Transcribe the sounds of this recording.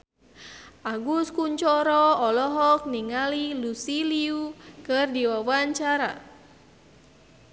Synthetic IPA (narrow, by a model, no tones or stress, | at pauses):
ʔaɡuskuɲt͡ʃɔɾɔɔlɔɦɔk̚niŋalilusiliukɨrdiwawaɲt͡ʃaɾa̰